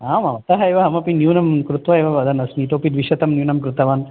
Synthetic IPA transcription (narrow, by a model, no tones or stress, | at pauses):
aːmɐʋɐt̪ɐɦɐeʋɐɦɐmɐpinjuːnɐmkɾut̪ʋɐeʋɐʋɐd̪ɐnɐsniːʈoːpid̪ʋiʃɐt̪ɐmnjuːnɐmkɾut̪ɐʋaːn